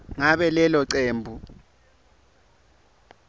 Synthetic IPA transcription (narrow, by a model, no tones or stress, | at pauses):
ŋaɓɛlɛlɔǀeːmbʱu